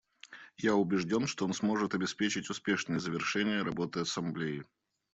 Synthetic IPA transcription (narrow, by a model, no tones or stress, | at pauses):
jaʊbʲɪʐdʲo̞nʂt̪oonsmo̞ʐɨt̪ɐbʲɪspʲet͡ɕɪtʲʊspʲe̞ʂnɨjəzəvʲɪrʂɛnʲɪjəɾɐbo̞t̪ɨɐsɐmblʲejɪ